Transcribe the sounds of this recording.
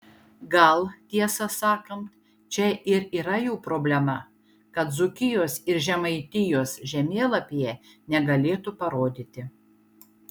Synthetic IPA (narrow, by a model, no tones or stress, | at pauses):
ɡɐlˠt̪ʲiɛsɐsɑːkɐnt̪ | t͡ʃʲɛʔɪɾiːɾɐjuːpɾoːbʲlʲɛmɐ | kɐt̪zʊkʲɪjoːsɪɾʒʲɛmɐɪt̪ʲɪjoːsʒʲɛmʲeːlˠɐpʲɪjɛ | nʲɛɡɐlʲeːt̪upɐɾoːd̪ʲɪt̪ʲɪ